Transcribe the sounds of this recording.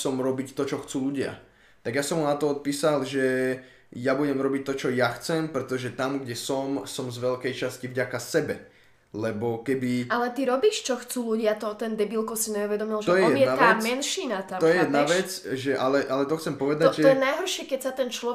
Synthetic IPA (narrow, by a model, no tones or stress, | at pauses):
sɔmɾɔbict̪ɔt͡ʃɔxt͡suːluɟɪa̰ | t̪aɡjasɔmɦunat̪ɔɔt̪̚piːsalʒɛ | jabuɟɛmɾɔbic̚t̪ɔt͡ʃɔjaxt͡sɛmpɾɛt̪ɔʒɛt̪amɡɟɛsɔmsɔmzʋɛʎkɛjt͡ʃascivɟakasɛbɛ | lɛbɔkɛbialɛt̪iɾɔbiːʃt͡ʃɔxt͡suːluɟɪat̪ɔt̪ɛnd̪ɛbilkɔsiɲɛuʋɛd̪ɔmilʒɛt̪ɔjɛjɛiɛat̪aɛmɛnʃiːnat̪at̪ɔjɛjɛd̪naʋɛt͡sʒɛʔalɛʔalɛt̪ɔxt͡sɛmpɔʋɛd̪aɔjɛnajɦɔɾʃɪɛkɛcsat̪ɛnt͡ʃlɔɛ